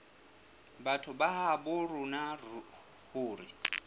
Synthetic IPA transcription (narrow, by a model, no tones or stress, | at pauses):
batʰʊbaɦabʊrʊna | huːɾi